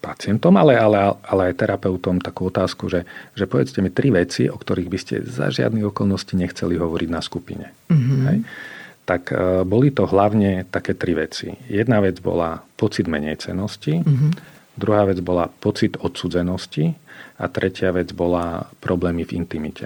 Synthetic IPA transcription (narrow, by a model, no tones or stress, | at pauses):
pat͡sɪɛnt̪ɔmalɛalɛaalɛajt̪ɛɾapɛʊt̪ɔmt̪akuːɔt̪aːskuʒɛʒɛpɔʋɛt͡scɛmit̪ɾiʋɛt͡siʔɔkt̪ɔɾiːɣbiscɛ̰za̰ʒɪa̰d̪niɣɔkɔlˠnɔsciɲɛxt͡sɛliɦɔʋɔɾʔiɟnaskupḭɲɛ̰ | ɦɛ̰jt̪akbɔlit̪ɔɦlaʊɲɛt̪akɛːt̪ɾiʋɛt͡sḭjɛd̪naʋɛd͡zbɔ̰la̰pɔt͡sid̪mɛɲɛ̰jt͡sɛ̰nɔsci | d̪ɾuɦaːʋɛd͡zbɔlapɔt͡sid̪ɔt̪suːd͡zɛnɔscia̰t̪ɾɛcɪaʋɛd͡zbɔlapɾɔblɛːmivḭnt̪imicɛ̰